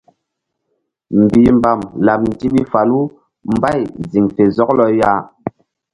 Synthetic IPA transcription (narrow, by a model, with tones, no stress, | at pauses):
m˨bi˨mba˨mla˨p̚n̩˨ti˦ɓi˦fa˨lu˦ | m˦ba˦˨jzi˨ŋfe˨zɔ˦klɔ˦ja˦